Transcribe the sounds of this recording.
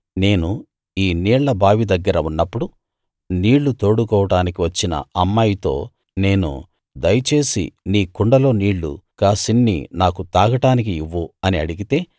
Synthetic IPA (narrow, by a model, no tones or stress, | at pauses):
ne̞ːnu | iːniːɭlɐbʱaːʋid̪ɐɡːɐɾɐunːɐpːuɽu | niːɭːut̪o̞ːɽukɔːʋɐʈaːnikiʋɐt͡ʃːinɐ̰ɐmːajit̪o̞̰ː | ne̞ːnṵ | d̪ɐjɐt͡ʃe̞ːsḭniːkuɳɖɐlo̞ːniːɭːṵkaːsinːḭnaːkut̪aːɡɐʈaːnik̬iiʋːuɐniɐɽiɡit̪e̞ː